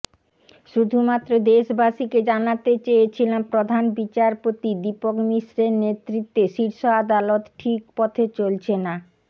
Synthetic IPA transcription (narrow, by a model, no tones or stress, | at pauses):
ʃud̪ʱumat̪ːɾod̪eʃbaʃiked͡ʑanat̪et͡ɕejet͡ɕʰilampɾod̪ʱanbit͡ɕaɾpot̪id̪ipokmiʃɾeɾnet̪ːɾit̪ːeʃiɾʃoad̪alot̪ʈʰik̚pɔt̪ʰet͡ɕolt͡ɕʰena